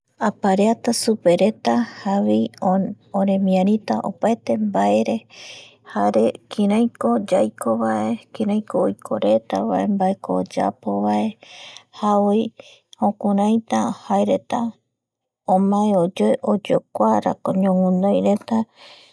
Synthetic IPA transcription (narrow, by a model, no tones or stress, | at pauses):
apaɾeat̪asupe̞ɾe̞t̪ahaβi | oɾẽ̞mĩãɾ̃ĩt̪aʔo̰paet̪e̞mbaeɾe̞ | haɾekʰĩɾãj̃kod͡ʒajkʰo̞βaʔekĩɾãjkoːjkʰoɾe̞t̪aβa̰ʔe̞mbaekoːd͡ʒa̰po̞βaʔe̞haoj | hõkuɾ̃ãj̃t̪ahaeɾe̞t̪a | õmãeod͡ʒoeʔod͡ʒokʷaɾa̰koɲõŋũnd̪õjɾe̞t̪a